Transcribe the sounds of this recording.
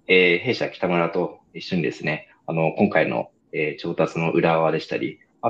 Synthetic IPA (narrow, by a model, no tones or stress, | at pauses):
eːɦe̞ːɕakʲi̥t̪amoɾat̪o̞iɕːo̞ɲ̟id̪e̞sɨne̞ | ano̞kõ̞ŋkaino̰ | eːt͡ɕo̞ːt̪at͡sɨno̞ʔɯ̟ɾaβad̪e̞ɕi̥t̪a̰ɾʲḭ | a